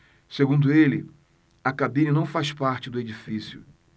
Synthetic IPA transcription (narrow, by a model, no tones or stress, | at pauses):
seɡũnd̪ʊelɪ | ɐkabĩninɐ̃w̃faspaɾt͡ʃɪd̪ʊed͡ʒifisjʊ̰